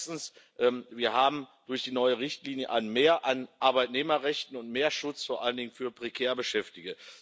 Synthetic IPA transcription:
stn̩sʔɛːmviːɐɦaːbm̩d̥ʊɐçd̥iːnɔʏəʁɪçtliːnjəʔaɪnmeːɐʔanʔaɐbaɪtneːmɐʁɛçtn̩ʊntmeːɐʃʊt͡sfoːɐʔaləndɪŋənfyːɐpʁ̥ekʰɛːɐbəʃɛftɪɡə

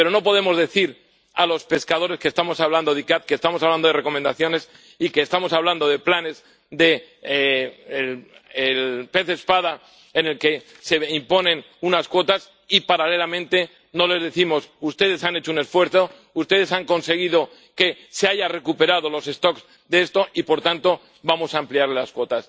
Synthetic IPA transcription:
peɾo̞no̞po̞ð̞e̞mo̞zðe̞θiɾ | alo̞spe̞skaðo̞ɾe̞skest̪amo̞saβland̪o̞ð̞ikat̪̚kest̪amosaβland̪oere̞ko̞mẽnd̪aθjo̞ne̞s | ikeːst̪amo̞saβland̪o̞ðe̞plane̞s | d̪e̞ | elelpe̞θespaða | ene̞lke̞ | se̞impo̞nẽ̞n | unaskwo̞t̪as | ipaɾale̞lamẽ̞nt̪e̞ | no̞le̞zðeθimo̞sust̪e̞ð̞e̞sane̞t͡ʃoune̞sfwe̞ɾθo̞ | ust̪e̞ð̞e̞saŋko̞nse̞ɣ̞iðo̞ | ke̞ | se̞aʝare̞kupe̞ɾað̞o̞lo̞se̞st̪o̞kz | d̪eest̪o̞ʔipo̞ɾt̪ant̪o̞ | bamo̞saːmpliaɾlelaskwo̞t̪as

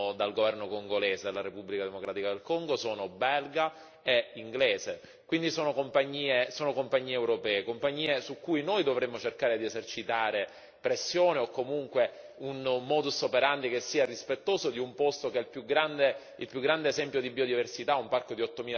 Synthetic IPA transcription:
d̪alɡovɛrnokoŋɡoleːsed̪lːaɾepubːlikad̪emokɾaːt̪ikad̪elkoŋɡosoːnobɛlɡa | eiŋɡleːze | kwind̪isoːnokompaɲːiːesoːnokompaɲːiːeːwɾopɛːekompaɲːiːesukːujnojd̪ovɾemːot͡ʃerkaːɾed̪iezert͡ʃit̪aːɾe | pɾesːjoːneokːomuŋkwe | unmɔːd̪usopeɾant̪ikesːiːarispet̪ːoːzod̪iumpost̪okɛlpjuɡɾand̪e | ilpjuɡːɾand̪eːzɛmpjod̪ibiod̪iversit̪aumparkod̪iɔt̪ːomiːl

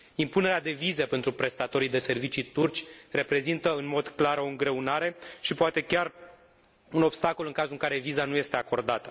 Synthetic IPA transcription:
impune̞ɾead̪e̞vizepe̞nt̪ɾupɾe̞st̪at̪o̞ɾijd̪e̞se̞rvit͡ʃit̪urt͡ʃʲre̞pɾe̞zint̪əɨnmo̞d̪klaɾo̞ɨŋɡɾe̞unaɾe̞ʃipoat̪e̞kʲar | uno̞bst̪ako̞lɨŋkazɨŋkaɾe̞vizanuje̞st̪e̞ako̞rd̪at̪ə

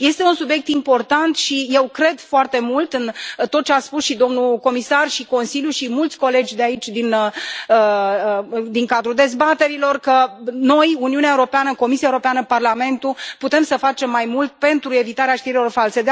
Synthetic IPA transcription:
je̞st̪e̞unsubje̞k̚t̪impo̞rt̪ant̪ʃije̞wkɾe̞d̪foart̪e̞mult̪ɨnt̪ot̪̚ːt͡ʃeaspusʃid̪o̞mnuko̞misarʃiko̞nsiljuʃimult̪sʲko̞le̞d͡ʒʲd̪eait͡ʃʲd̪inəə | d̪iŋkad̪ɾuld̪e̞zbat̪e̞ɾilo̞rkəno̞juniuneaewuɾo̞peanəko̞misiaeuɾopeanəparlame̞nt̪uput̪e̞msəfat͡ʃe̞mːajmult̪̚pe̞nt̪ɾue̞vit̪aɾeaʃt̪iɾilo̞rfalse̞d̪

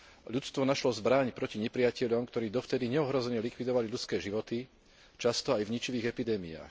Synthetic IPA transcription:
ʎut͡st̪ʋɔnaʃlɔzbɾaɲpɾɔciɲɛpɾiacɛʎɔmkt̪ɔɾiːd̪ɔft̪ɛd̪iɲɛɔɦɾɔzɛɲɛlikʋid̪ɔʋalilʎut͡skɛːʒiʋɔt̪i | t͡ʃast̪ɔajvɲit͡ʃiʋiːɣɛpid̪ɛːmia̰ːx

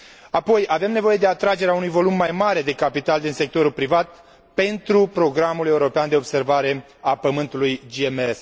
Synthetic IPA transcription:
apo̞jave̞mne̞vo̞je̞d̪e̞at̪ɾad͡ʒe̞ɾeaunujvo̞lumːajmaɾe̞d̪e̞kapit̪ald̪inse̞k̚t̪o̞ɾulpɾivat̪̚ | pe̞nt̪ɾupɾo̞ɡɾamule̞uɾo̞peand̪e̞o̞bse̞rvaɾe̞ | apəmɨnt̪ulujd͡ʒiemes

